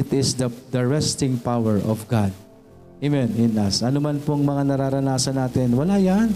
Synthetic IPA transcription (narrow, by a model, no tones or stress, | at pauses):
ɪt̪ɪsd̪ɐd̪ɐɹɛst̪ɪŋpawɛɹɔfɡad̪̚ | emɛnɪnasʔɐnomanpoŋmɐŋanɐɾaɾɐnaːsɐnaːt̪ɪnwɐlajan